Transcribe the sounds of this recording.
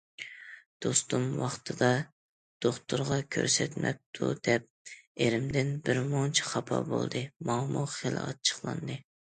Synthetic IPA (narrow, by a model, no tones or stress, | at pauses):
d̪̥ost̪umwɑχt̪ʰɨd̪ɑ | d̪̥oχt̪ʰʊɾʁɑkʲʰø̰ɾsɛt̪mɛp̚t̪ʰṵd̪ɛp̚eɾɪmd̪ɪnbɪɾmoŋt͡ʃʰi̥χɑpʰɑ̰bo̰lˠd̪ɨmɑŋmuχel̰ˠɑ̰t͡ʃʰə̥χlˠɑ̰nd̪ɨ